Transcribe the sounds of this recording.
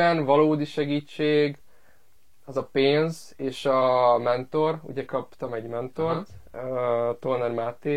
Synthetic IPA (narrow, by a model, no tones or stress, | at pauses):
ɛnvɒloːd̪iʃɛɡiːt͡ʃːeːɡ | ɒzɒpeːnz | eːʃɒmɛnt̪o̞rṵɟɛkɒpt̪ɒmɛɟmɛnt̪o̞rt̪ | t̪onɛrmaːt̪eː